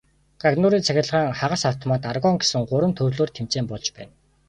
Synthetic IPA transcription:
ɡ̥aɣnʊɾiːnt͡sʰæxʲɪ̆ɮʁaːŋχaʁə̆saw̥t̪ʰɔmaːt̪arɣɔŋɡe̥sɘ̆ŋɢʊɾwə̆nt̪ʰɵrɮoːrt̪ʰem̥t͡seːmpɔɮt͡ɕpæ̰ːn

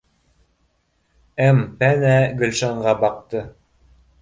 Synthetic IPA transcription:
æmpænæɡɵ̆lʲʃɑɴɢɑbɑq̚t̪ɤ

